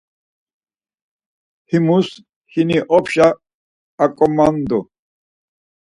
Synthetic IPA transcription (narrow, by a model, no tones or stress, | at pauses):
himus | hiniʔɔpʰʃaː | kʼɔmand̪ɔ